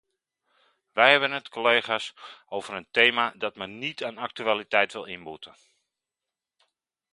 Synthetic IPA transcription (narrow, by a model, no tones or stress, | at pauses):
ʋɛjhɛbənətkʰoleːχasoːvəɾənteːmadɔtmɛnnitʰaːnak̚tyalitɛjtʋɪlˠinbutə